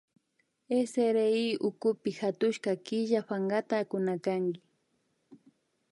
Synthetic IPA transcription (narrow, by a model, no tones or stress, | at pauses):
eseɾeiʊkʊpɪxat̪ʊʃkakɪʒaɸaŋɡat̪aːkʊnakaŋɡɪ